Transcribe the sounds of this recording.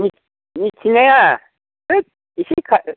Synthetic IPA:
ɲi | ɲitʰiŋɛja | ɛ | iʃikʰa

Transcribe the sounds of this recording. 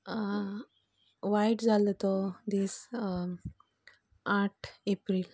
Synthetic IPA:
ʋajʈd͡zalot̪od̪is | aʈʰepɾil

